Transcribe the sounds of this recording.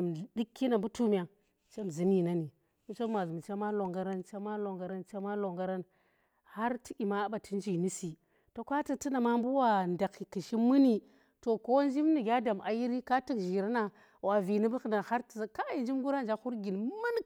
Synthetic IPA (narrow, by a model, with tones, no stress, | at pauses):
m˨di˦kːi˦na˨mbu˦tu˦mʲ˨a˨ | t͡ʃe˦m˨zi˨ni˦na˦ni˨ | mu˦t͡ʃe˦a˨zu˨m˨t͡ʃa˦ma˦lo˨ŋɡa˦ɾa˦nt͡ʃa˦ma˦lo˨ŋɡa˨ɾa˦nt͡ʃa˦ma˦lo˨ŋɡa˦ɾa˦n | ha˦ɾti˦ʔʲi˨ma˦ɓa˨ti˦n˦d͡ʒi˨ni˦si˨ | to˨kʷa˦ti˦kti˦na˨ma˦mbu˦wa˨nda˨ki˨ki˨ʃi˦mɨ˦ni˨ | to˨ko˦wnd͡ʒi˦mni˨ɡʲa˦da˨mʔa̰˨ji˦ɾi˦ka˦ti˦kʒi˨ɾa˦na˨ | wa˨vi˨ni˦bu˦kna˨ha˦ɾtzka˦i˨nd͡ʒi˦mɡu˦ɾa˦n˨d͡ʒa˦xu˦ɾɡi˨n˦ma˦n